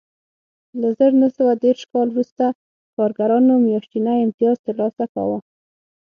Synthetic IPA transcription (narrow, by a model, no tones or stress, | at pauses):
ləzəɾnəsəwad̪eɾʃkɑlwɾust̪a | kɑɾɡaɾɑnomjɑʃʈ̪inajɪmt̪ɪjɑzt̪əɾlɑsaka̰wə